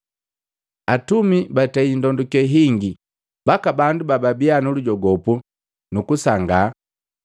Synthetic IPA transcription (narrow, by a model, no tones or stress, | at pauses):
atumibataindɔndukɛɦiŋɡi | bakabandubababianuluɟɔɡɔpu | nukusaŋɡa